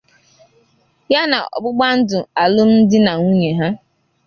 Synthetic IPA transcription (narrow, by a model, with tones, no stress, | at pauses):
ja˦na̰˨ɔ̰˨ɡ͡bʊ˦ɡ͡ba˦n̩˦dʊ˨a˨lʊ˦m̩˦n̩˦dɪ˦na˨ŋu˦ɲe˨ɦa˦